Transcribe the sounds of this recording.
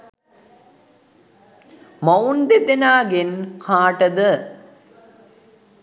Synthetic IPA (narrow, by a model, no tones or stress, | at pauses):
mɐwnd̪ed̪enaːɡenkʰaːʈəd̪ə